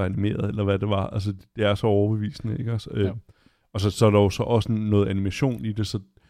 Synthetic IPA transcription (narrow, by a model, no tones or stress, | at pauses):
ænime̝̰ːɐð̩ˠelɐʋæd̥e̝ʋɑ̈æls̬ədd̥e̝æɐsɒ̽ɒʊɐb̥e̝ʋḭːsnəe̝ɡ̥ɒsəø | ɒsɒ̽sɒ̽æɾ̥ɑjo̝sɒ̽ʔɒ̽sənɔ̽ːð̩ˠænimæɕo̝̰ːnid̥e̝sɒ̽